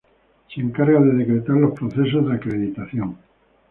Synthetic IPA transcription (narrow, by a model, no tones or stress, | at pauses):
seŋkaɾɣaðeðekɾet̪aɾlo̞spɾoθesozðeakɾeðit̪aθjoŋ